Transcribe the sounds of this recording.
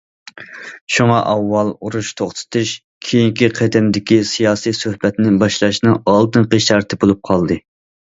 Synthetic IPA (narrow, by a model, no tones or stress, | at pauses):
ʃuŋɑʔɑwːɑlˠuɾuʃt̪ʰoχt̪ʰɨ̥t̪ʰuʃ | kʲʰijiŋkʲiqʰed̪ɪmd̪ɪkʲisijɑːsijsøhbɛt̪nɪbɑʃlˠɑʃnɨŋɑlˠd̪ɨnqeʃt̪ɑɾt̪ʰɨbolˠup̚qʰɑlˠd̪ɨ